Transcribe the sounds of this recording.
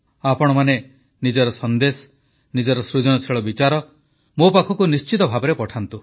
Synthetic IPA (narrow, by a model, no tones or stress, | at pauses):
apɔɽ̃ɔmane | nid͡ʒɔɾɔsɔnd̪esɔ̥ | nid͡ʒɔɾɔsɾud͡ʒɔɽ̃ɔt͡ʃʰiɭɔbit͡ʃaɾɔ | mopakʰɔkunist͡ʃit̪ɔbʱabɔɾepɔʈʰant̪u